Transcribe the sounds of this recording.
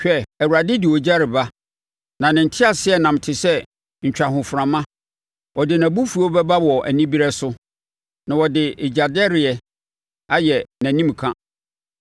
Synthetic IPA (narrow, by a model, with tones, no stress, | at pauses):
ɕᶣɛ˨æ˨wu˨ɾa˨dɪ˦dɪ˨wɔ˨d͡ʑa˦ɾɪ˨ba˦ | nã˨nɪ̃˨n̩˨tʰɪ˦a˨sɪ˦ɛ˨nã˨m˨tʰɪ˨sɛ˦ | ɲ̩˨t͡ɕᶣa˨ɦʊ̃˨fɾã˨mã˦ | wɔ˨dɪ˨nã˨bu˦fu˨o˦bɛ˦ba˦wɔ˨ʔæ̰˨nĩ˦bi˦ɾɛ˦sʊ˦ | nã˨wɔ˨dɪ˨ʔe˨d͡ʑa˨dɪ˦ɛ˦ɾɪ˨ɛ˨ | a˦jɛ˨næ̃˨nĩ˦m˨kʰã˦